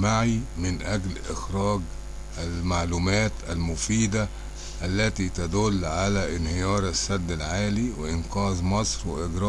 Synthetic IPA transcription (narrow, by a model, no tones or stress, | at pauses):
maʕimɪnʔæɡlʔɪxɾɑːɡ | ʔælmaʕluːmæːt̪ʔælmʊfiːd̪a | ʔælːæt̪it̪æd̪ʊlːʕalæʔɪnhɪjɑːɾˤasːæd̪ːalʕaːliwɪʔɪnqɑːzˤmɑsˤɾwɪʔɪɡɾˤɑː